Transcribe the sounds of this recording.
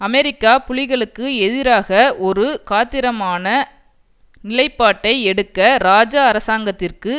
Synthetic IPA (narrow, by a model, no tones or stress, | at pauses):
ɐmɛɾɪkːaːpʊɻɪɣɐɭɯkːɯɛðɪɾaːɣɐʔɔɾɯkaːt̪ːɪɾɐmaːnɐ | nɪlɐɪpːaːʈːɐɪɛɽɯkːɐɾaːd͡ʒaːɐɾɐsaːŋɡɐt̪ːɪrkɯ